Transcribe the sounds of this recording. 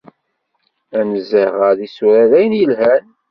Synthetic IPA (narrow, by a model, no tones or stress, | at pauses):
ænzəʁəðisuɾæðæjənjəlɦæn